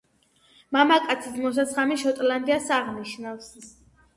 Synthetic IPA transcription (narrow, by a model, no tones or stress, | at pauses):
mamakʼat̪sʰismɔs̬at̪sχamiʃɔt̪ʼland̪iasaʁniʃnafs